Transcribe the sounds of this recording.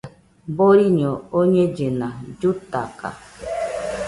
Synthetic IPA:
boɾiɲɔoɲed͡ʒenad͡ʒut̪a̰ka̰

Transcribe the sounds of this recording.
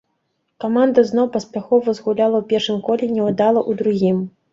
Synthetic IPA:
kamand̪ɐznɔwpɐsʲpʲaxɔvɐzɣulʲalˠɐwpʲɛrʂɨmkɔlʲɛnʲɛwad̪alˠɐʔud̪ɾuɣʲim

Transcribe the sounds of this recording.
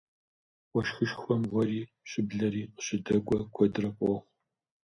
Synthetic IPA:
wʷɔʃxɨʃxʷɔmʁʷɔriː | ɕɪbɮɐɾiːqəɕɪdɐɡʷʼɔkʷʰɔdɨrɐpʷʼɔχʷ

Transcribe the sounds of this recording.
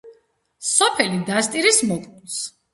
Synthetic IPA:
sɔpʰɛlid̪ast̪ʼiɾismɔk̪ʼs

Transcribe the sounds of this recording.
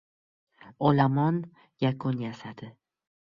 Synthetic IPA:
olamɒn | jakʰʊnjasad̪̥ɪ

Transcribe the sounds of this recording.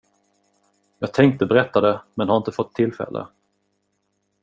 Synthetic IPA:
jɑːɡ̚t̪ʰɛŋk̚t̪əbɛɾɛt̪ːad̪ɛmɛnhaɾɪnt̪əfɔt̪ʰːɪlːfɛ̰lːʔə̰

